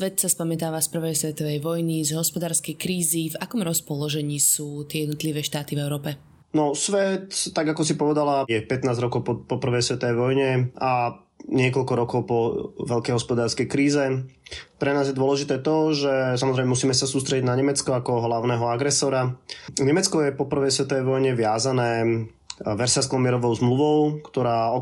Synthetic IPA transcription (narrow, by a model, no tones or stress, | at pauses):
sʋɛt̪saspamɛt̪aːʋaspr̩ʋɛjsʋɛt̪ɔʋɛjʋɔjnizɦɔspɔd̪aːɾskɛjkɾiːzivakɔmɾɔspɔlɔʒɛɲiːsuːt̪ɪɛjɛd̪nɔt̪liʋɛːʃt̪aːt̪ivɛʊɾɔːpɛ | nɔsʋɛt̪ːaɡakɔsipɔʋɛd̪alajɛpɛt̪naːzɾɔkɔʊpɔpɔpr̩ʋɛjsʋɛt̪ɔʋɛjʋɔjɲɛa | ɲɪɛkɔʎkɔɾɔkɔʊpɔʋɛʎkɛjɦɔspɔd̪aːɾskɛjkɾiːzɛpɾɛnaːzjɛd̪ʊɔlɛʒit̪ɛːt̪ɔʒɛsamɔzɾɛmɛmus̬iːmɛsasuːst̪ɾɛɟiɟnaɲɛmɛt͡skɔakɔɦlaʊnɛːɦɔaɡɾɛsɔɾaɲɛmɛt͡skɔjɛpɔpr̩ʋɛjsʋɛt̪ɔʋɛjʋɔjɲɛʋɪazanɛː | ʋɛɾsaskɔmɪɛɾɔʋɔʊzmluʋɔʊkt̪ɔɾaːɔ